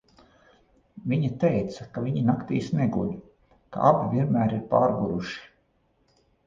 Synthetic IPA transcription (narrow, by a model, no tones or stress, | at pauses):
viɲat̪ejt̪sɐkaviɲinakt̪iːsneɡṵlʲ | ka̰ʔabʲivʲiɛnmæːɾiɾpaːɾɡuɾuʃi̥